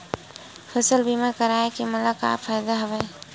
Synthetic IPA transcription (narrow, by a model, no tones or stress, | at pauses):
pʰəsəlbʱimẽkəɾaekiməlaka̰fʰajd̪aɦəbəj